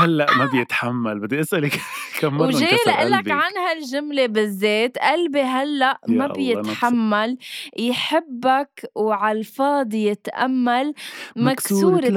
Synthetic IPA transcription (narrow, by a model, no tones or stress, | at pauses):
halːaʔmabjɪt̪ħamːalbɪd̪ːiʔɪsʔalɪkkamːawʒeːlʔɪlːabkʕanhalʒʊmlebɪzːeːt̪ʔalbeɦalːaʔmabjɪt̪ħamːaljħɪbːakwʕalfɑːd̪ˤjɪt̪ʔa̰mːalmaksuːɾ